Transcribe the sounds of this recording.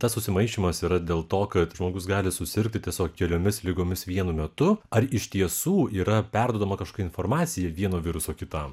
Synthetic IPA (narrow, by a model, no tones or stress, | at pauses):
t̪ɐsːʊsʲɪmɐɪʃʲimɐsiːɾɐd̪ʲeːlˠt̪oːkɐt̪ʒmoːɡʊsɡɑːlʲɪsʊsʲɪɾʲk̚t̪ʲɪt̪ʲiɛsʲoːkkʲɛlʲoːmʲɪslʲɪɡoːmʲɪsʋʲiɛnʊmʲɛt̪ʊɐɾɪʃʲt̪ʲiɛsuːiːɾɐpʲɛrd̪uɔd̪ɐmɐkɐʃko̥ːkːɪnfoːɾmɑːt̪sʲɪjɛʋʲiɛnoːʋʲɪɾʊsoːkʲɪt̪ɐ